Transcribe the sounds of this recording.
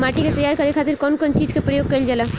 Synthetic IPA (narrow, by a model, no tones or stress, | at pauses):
maːʈiket̪əjaːɾkɐɾekʰaːt̪iɾkɔːnkɔːnt͡ʃiːd͡ʒkepɾəjoːɡ̚kɐild͡ʒala